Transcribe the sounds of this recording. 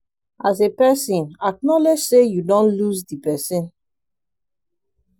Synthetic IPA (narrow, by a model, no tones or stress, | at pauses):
azepɛsĩnak̚nɔlɛd͡ʒsejudɔ̃nlusdipɛsĩn